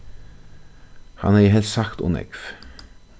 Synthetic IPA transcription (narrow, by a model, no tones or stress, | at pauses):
hɑ̰næːɦɛlsɑkt̪ṵːnɛ̰ɡf